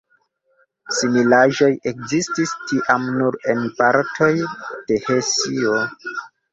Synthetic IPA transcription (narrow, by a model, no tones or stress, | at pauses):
similaʒo̞je̞kzististiʔamnuɾe̞npaɾtʰo̞jd̥e̞hesio